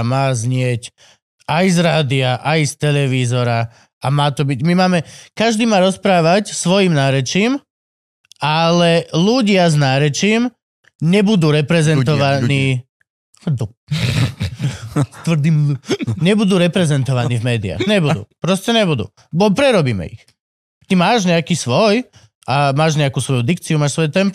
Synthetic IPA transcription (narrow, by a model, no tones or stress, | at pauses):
maːzɲɪɛc | ajzɾaːd̪iaʔajst̪ɛlɛʋiːzɔɾa | amaːt̪ɔbiɟmimaːmɛkaʒd̪iːmaːɾɔspɾaːʋacsʋɔjimnaːɾɛt͡ʃiːm | alɛluɟɪaznaːɾɛt͡ʃiːm | ɲɛbud̪uːɾɛpɾɛzɛnt̪ɔʋaniː | d̪ɔ | t̪ʋr̩d̪imɲɛbud̪uːɾɛpɾɛzɛnt̪ɔʋaniːvmɛːd̪ia̰xɲɛbud̪ṵːpɾɔscɛɲɛbud̪ṵː | bɔpɾɛɾɔbiːmɛ̰ḭx | t̪imaːʒɲɛakiːsʋɔj | ʔamaːʒɲɛakuːsʋɔjud̪ikt͡siumaːʃsʋɔjɛt̪ɛmp